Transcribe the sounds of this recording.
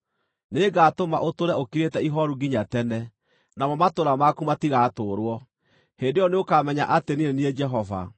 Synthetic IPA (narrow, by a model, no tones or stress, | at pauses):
neɡaːtoma̰ʔotoɾɛokiɾetɛiɦɔɾuɡiɲatɛnɛ | namɔmatoɾamakumatiɣatoːɾwɔ | heːndeɔneokamɛɲa̰ʔateninenied͡ʒɛɦɔva̰